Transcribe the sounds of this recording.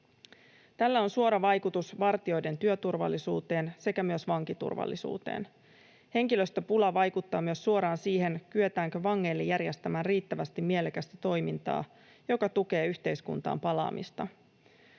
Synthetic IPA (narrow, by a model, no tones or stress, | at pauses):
t̪ælːæo̞nsuo̞ɾɑʋɑjkut̪usʋɑrt̪io̞jde̞nt̪yø̞t̪urʋɑ̰lːisṵːt̪e̞ːnse̞kæmyø̞sʋɑŋkit̪ṵrʋɑ̰lːisṵːt̪e̞̰ːn | he̞ŋkilø̞st̪øpulɑʋɑjkut̪ːɑːmyøsːuo̞ɾɑːnsiːɦe̞nkyet̪æːŋkø̞ʋɑŋːe̞ːlːejːærjest̪æmæːnriːt̪ːæʋæst̪imːielekæst̪æt̪o̞jmint̪ɑ̰ː | jo̞kɑt̪uke̞ːyçt̪e̞jskṵnt̪ɑ̰ːmpɑlɑ̰ːmʔḭst̪ɑ